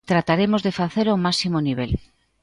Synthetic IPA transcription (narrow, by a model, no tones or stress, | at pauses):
t̪ɾat̪aɾemozðefaθeɾomasimoniβ̞el